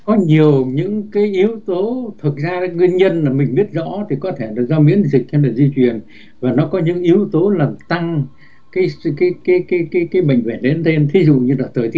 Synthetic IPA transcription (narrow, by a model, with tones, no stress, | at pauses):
kɔ˨˦ɲi˨˩əwɲɨ̰˧˥ŋkaː˨˦jʔi˨˦əwt̪o˨˦t̪ʰɨ˨˩t̚zaː˧˨˦ŋwi˧ənɲə˧nlaː˨˩mï˨˩ŋ̟ɓi˦˥ət̚zɔ̰˧˥t̪ʰi˨˩kɔ˨˦t̪ʰe˧˩la˨˩zɔ˧mḭ˧˥ənzï˨˩k̟̚hnlaː˨˩zi˧t͡ɕwi˨˩ən | vaː˨˩nɔ˨˦kɔ˨˦ɲɨ̰˧˥ŋʔi˨˦əwt̪o˨˦laː˨˩mt̪a˧ŋ | kaː˨˦jkaː˨˦jkaː˨˦jkaː˨˦jkaː˨˦jkaː˨˦jɓə̰˧˨jŋ̟ve˧˩ɗḛ˨˦nt̪e˧nt̪ʰi˨˦zṵ˧˨ɲɨ˧laː˨˩t̪ʰəː˨˩jt̪i˧˦˥